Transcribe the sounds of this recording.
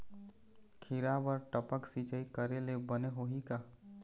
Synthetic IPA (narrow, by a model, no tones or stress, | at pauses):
kʰɪɾabəɾʈəpəksit͡ʃəikəɾelebəneɦoɦika